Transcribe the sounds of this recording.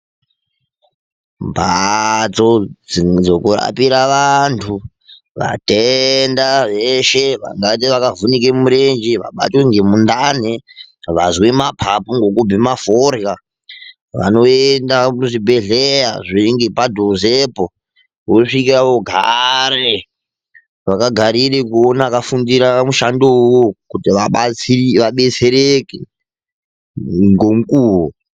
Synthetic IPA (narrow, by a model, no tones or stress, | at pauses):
bʱat͡sod͡zokura̰piɾaʋantʰu | ʋa̰tendaʋeʃeʋa̰ŋɡat̬iʋakavunikemuɾend͡ʒiʋa̰ɓa̰tweŋɡe̞mundaneʋazwemapʰapuŋɡo̞kubʱimaforja | ʋa̰no̞endamuʐibʱe̞ɮejaʐiiŋɡepadʱozepo | ʋoʂik̬iaoɡʱa̰ɾe | ʋakaɡʱaɾirekuonakafundiɾamuʃandowokutiʋaɓaiʋaɓe̞t͡se̞ɾeke | ŋɡo̞mukuːwo